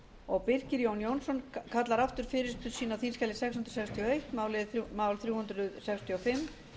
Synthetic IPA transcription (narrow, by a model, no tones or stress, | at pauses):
ɔɣpɪr̥cɪɾjownjownsɔnkʰat̪laɾaft̪ʏɾ̥fɪːɾɪsp̪ʰʏsiːnawθinskʰalɪsɛkshʏnt̪ɾ̥sɛkst̪ʰiɔejht̪maːwlɪðθmaːwlθɾjuːhʏnt̪ɾʏsɛkst̪ʰiɔfɪmː